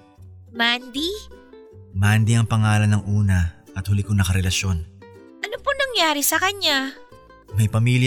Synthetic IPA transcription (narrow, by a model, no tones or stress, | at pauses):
mand̪i | mand̪iɐŋpɐŋaːlɐnːɐŋʔuːnɐ | ʔɐt̪hʊlɪkonɐkɐɾɛlɐʃjo̞n | ʔɐnoponɐŋjaːɾisɐkɐɲːa | mɐjpɐmiːlj